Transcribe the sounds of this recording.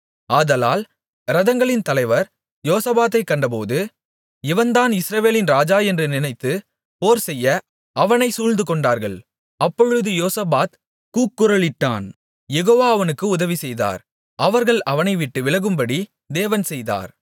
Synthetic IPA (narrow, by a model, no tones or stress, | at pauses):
aːðɐla̰ːl | ɾɐðɐŋɡɐɭɪnt̪ɐlɐɪʋɐɾ | joːsɐbaːt̪̬ːɐɪkːɐɳɖɐp̬oːðɯ | ɪʋɐnd̪aːnɪsɾɐʋeːlɪnɾaːd͡ʒaːɛndrɯnɪnɐɪt̪ːɯ | poːɾsɛjːɐ | ɐʋɐnɐɪsuːlnd̪ɯkɔɳɖaːɾɣɐɭ | ɐpːɔɻɯðɯjoːsɐbaːt̪ | kuːkːɯɾɐɭɪʈːa̰ːn | jɛɣoːʋaːɐʋɐnɯkːɯʊðɐʋisɛjða̰ːɾ | ʔɐʋɐɾɣɐɭɐʋɐnɐɪʋɪʈːɯʋɪɭɐɣɯmbɐɽi | d̪eːʋɐnsɛjða̰ːɾ